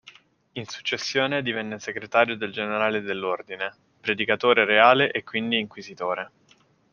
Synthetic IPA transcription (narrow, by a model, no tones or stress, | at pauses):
insu̥t͡ʃːesːjoːned̪ivɛnːeseɡɾet̪aːɾjod̪eld͡ʒeneɾaːled̪elːord̪ine | pɾed̪ikat̪oːɾeɾeaːleʔekːwind̪iːŋkwizit̪oːɾe